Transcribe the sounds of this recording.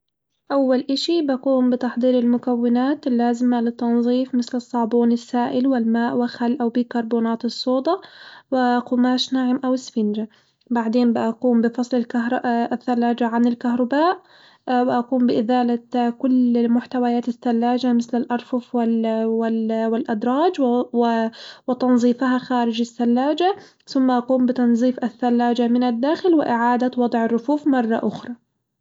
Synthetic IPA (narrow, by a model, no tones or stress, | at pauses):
ʔawːalʔaʃibʔaquːmbɪt̪ɑħd̪ˤiːɾɪlmʊkawːɪnaːt̪lːaːzɪmalɪt̪ːɑnðˤiːfmɪθlɨsˤːɑːbuːnɪsːaːʔɪlwɪlmaːʔwɪxalːʔawbikɑɾˤbuːnaːt̪ɨsˤːoːd̪ˤɑwɪʔqʊmaːʃnaʕɪmʔawɪsfɪnd͡ʒa | baʕd̪eːnbɪʔaquːmbɪfɑsˤlɪlkaɦɾθːalːaːd͡ʒaʕanɪlkaɦɾˤɑbaːʔ | wɪʔaquːmbɪʔɪðaːlakʊlːmʊħt̪awajaːt̪ɪθːalːaːd͡ʒamɪθlɪlʔɑɾˤfʊfwwɪwɪlʔad̪ɾˤɑːd͡ʒ | wɪt̪ɑnzˤiːfɦaxaːɾɪd͡ʒasːalːaːd͡ʒa | θʊmːaʔɑquːmbɪt̪ɑnzˤiːfaθːalːaːd͡ʒamɪnad̪ːaːxɪlwɪʔɪʕaːd̪awɑd̪ˤʕɪrːʊfuːfmɑrˤːɑ̰ʔʊxɾˤɑ